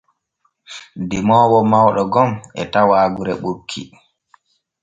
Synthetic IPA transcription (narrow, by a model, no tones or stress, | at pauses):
dimɔːwɔmawɗɔɡɔmɛtawaːɡuɾɛɓokʰːḭ